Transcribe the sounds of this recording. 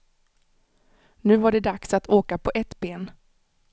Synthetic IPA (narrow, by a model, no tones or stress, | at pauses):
nʉ̟ːvaɖɛd̪aksat̪ʰoːkapʰɔʔɛt̪beːn